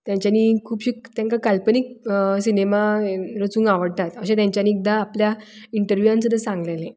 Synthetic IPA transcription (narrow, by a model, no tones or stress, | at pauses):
t̪jãɲt͡ɕjaniːkʰuːpɕiːkt̪jãŋkakalpəniksinemaɾət͡sũːŋɡaʋəɽt̪at̪əɕẽt̪jãɲt͡ɕjaniːk̚d̪aːplja | iɳʈəɾʋjuãnsəd̪əsãŋɡlele